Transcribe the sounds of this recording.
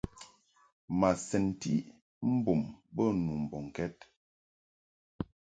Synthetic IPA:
ma˨sɛ˨ntḭ˦ | m̩˦bo˨mbə˦˨nu˨m̩˨bɔ˨ŋ˨kɛ˦t̚

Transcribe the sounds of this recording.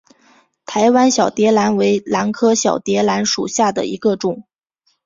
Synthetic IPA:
t̪ʰa˧˥ɪwa˥nɕjɑ˨˩ʊt̪jɛ˧˥la˧˥nwe˧˥ɪla˧˥nkʰɤ˥ɕjɑ˨˩ʊt̪jɛ˧˥la˧˥nʂṵ˨˩ɕja˥˩d̪ə̰˩ḭ˧˥ɡə˧ʈ͡ʂʊ˨˩˦ŋ

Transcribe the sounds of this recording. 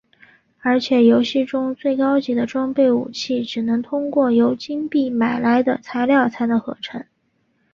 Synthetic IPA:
ə˞˧˥t͡ɕʰjɛ˨˩jo˧˥ʊɕi˥˩ʈ͡ʂʊ˥ŋt͡swe˥˩ɪkɑ˥ʊt͡ɕi˧˥˩d̪ə˧ʈ͡ʂwɑ˥ŋpe˥˩ɪṵ˨˩t͡ɕʰi˥˩ʈ͡ʂɻ̩˨˩nɤ˧˥ŋt̪ʰʊ˥ŋkwɔ˥˩jo˧˥ʊt͡ɕi˥ŋpi˥˩ma˨˩ɪla˧˥ɪd̪ə˧˨t͡sʰa˧˥ɪljɑ˥˩ʊt͡sʰa˥nd̪ə˧xɤ̰˧˥ʈ͡ʂʰɤ˧˥ŋ

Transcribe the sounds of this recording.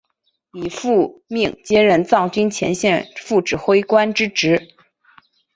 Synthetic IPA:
i˨˩fu˥˧mi˥˩ŋt͡ɕjɛ˥ɻə˧nt͡sɑ˥˩ŋt͡ɕy˥nt͡ɕʰjɛ̰˧˥nɕjɛ˥˧nfu˥˩ʈ͡ʂɻ̩˨˩xwe˥ɪkwa˥nʈ͡ʂɻ̩˥ʈ͡ʂɻ̩˧˥

